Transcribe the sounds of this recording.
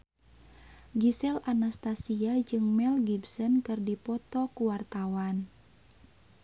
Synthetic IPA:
ɡisɛlanast̪asiad͡ʒɨŋmɛlɡibsɔnkɨrdipɔt̪ɔkuwart̪awan

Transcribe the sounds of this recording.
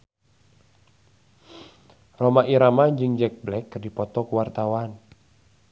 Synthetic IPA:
romaʔiɾamaɲd͡ʒɨŋd͡ʒɛk̚blɛkːdipɔt̪ɔkuwart̪awan

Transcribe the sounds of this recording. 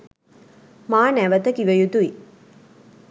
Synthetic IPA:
maːnæʋət̪əkiʋəjut̪ui

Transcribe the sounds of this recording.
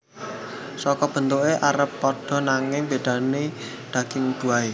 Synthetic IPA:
sɔkɔb̥ə̤nt̪oʔeʔaɾəpːɔɖ̥ɔ̤naŋɪŋb̥eɖ̥a̤ne | d̪̥ä̤ɡ̥ɪŋud̪̥ṳae

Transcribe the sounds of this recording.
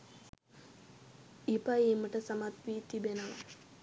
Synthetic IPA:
ipaeməʈəsamat̪ʋiːt̪ibenəʋa

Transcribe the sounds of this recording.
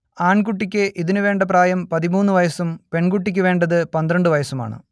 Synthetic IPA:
aːɳkuʈːikʲːɨʔiðinuʋe̞ːɳɖɐpraːjɐmpɐðimuːnːuʋɐjɐsumpe̞ɳɡuʈːikʲːɨʋe̞ːɳɖɐðɨpɐnd̪ɾɐɳɖɨʋɐjɐsuma̰ːɳɨ̰

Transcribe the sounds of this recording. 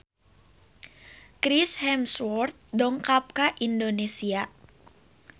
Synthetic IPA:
kɾishɛmswɔrt̪̚dɔŋkap̚kaʔindonesia

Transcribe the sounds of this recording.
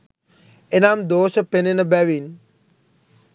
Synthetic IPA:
enaːmd̪oːʃəpenenəbæʋin

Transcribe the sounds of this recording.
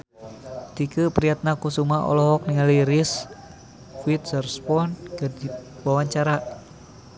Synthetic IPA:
t̪ikəpɾijat̪̚nakusumaɔ̰lɔɦɔk̚niŋaliɾis | fuit̪̚sərspɔnkədiwawaɲt͡ʃaɾa

